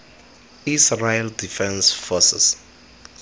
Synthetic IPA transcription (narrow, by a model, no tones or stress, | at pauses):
israldifɛ̃nsfɔsɛ̰s